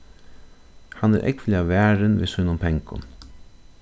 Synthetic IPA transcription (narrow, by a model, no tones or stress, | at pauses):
hanæ̰ɾʔɛ̰kflɪaʋæːɹɪnʋḭsʊjnʊmp̪ʰɛŋkʊ̰n